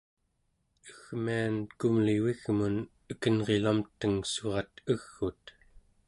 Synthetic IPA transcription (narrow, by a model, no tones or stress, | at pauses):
əɣmiankumliwiɣmun | əkənʁe̞lamt̪əŋsoʁɑt̪əɣːut̪